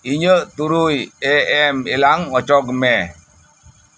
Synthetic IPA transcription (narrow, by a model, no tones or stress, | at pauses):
iɲət̪uɾujeɛmilaŋɔt͡ʃɔɡmɛ